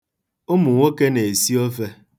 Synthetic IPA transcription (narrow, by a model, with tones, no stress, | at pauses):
ʊ˦mʊ˨ŋʷo˦ke˦ne˨si˦o˦fe˦